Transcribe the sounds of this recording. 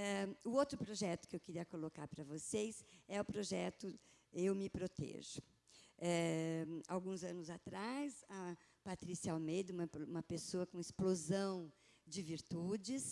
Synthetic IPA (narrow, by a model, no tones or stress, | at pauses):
ɛʊowt̪ɾʊpɾoʒɛt̪ʊ̥kɪewkɪɾiɐkoloka̰ɾpɾɐvosejsɛʊpɾoʒɛt̪ʊewmɪpɾot̪ḛʒʊ | ɛ | a̰wɡũzɐ̃nʊzat̪ɾasɐ | pat̪ɾisiawmed̪ɐũmɐũmɐpesoɐkõɪsplozɐ̃w̃ | d͡ʒɪviɾt̪ud͡ʒɪs